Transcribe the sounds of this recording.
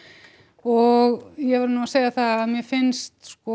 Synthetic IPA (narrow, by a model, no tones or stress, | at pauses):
ɔɣjɛvɛɾnuaseːjaθaaðmjɛfɪnst̪skɔ